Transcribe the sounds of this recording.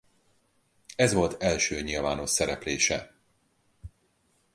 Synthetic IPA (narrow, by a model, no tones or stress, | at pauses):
ɛzvo̞lt̪ɛlʃøːɲilva̰ːnoʃsɛɾɛpleːʃɛ